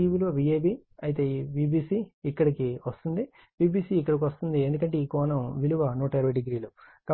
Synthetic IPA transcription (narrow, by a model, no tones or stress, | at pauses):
iʋiluʋɐbieːbiːɐjit̪e̞ːbiːbiːsiːkːɐɽikiʋɐst̪und̪i | biːbiːsiːkːɐɽɐk̬iʋɐst̪und̪iend̪ukɐɳʈeikɔːnɐmʋiluʋɐnoːʈɐiɾɐʋɐɖiɡɾiːlukɐ